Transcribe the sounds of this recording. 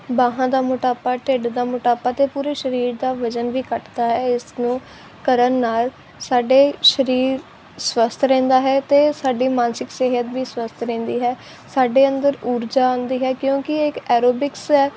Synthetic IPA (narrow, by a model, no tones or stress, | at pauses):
baːɦãːd̪aːmʊʈaːpaːʈeɖd̪aːmʊʈaːpaːt̪eːpuːɾeːʃəɾiːɾd̪aːʋəd͡ʒənʋiːkəʈd̪aːɦɛːɪsnũː | kəɾənːaːl | saːɖeːʃəɾiːɾ | swəst̪ʰɾɛ̃ːnd̪aːɦɛːt̪eːsaːɖiːmãːnsɪkseɦət̪ʋiːswəst̪ʰɾɛ̃ːnd̪iːɦɛː | saːɖeːənd̪əɾuːɾd͡ʒaːãːnd̪iːɦɛːkjõːkɪɪkɛːɾoːbɪksɛː